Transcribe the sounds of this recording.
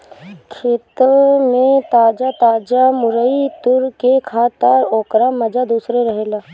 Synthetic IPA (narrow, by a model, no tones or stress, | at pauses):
kʰeːt̪əmẽt̪aːd͡ʒat̪aːd͡ʒamʊɾəit̪ʊɾkekʰaːt̪əɾoːkɾamɐd͡ʒad̪uːsɾeɾəɦeːlaː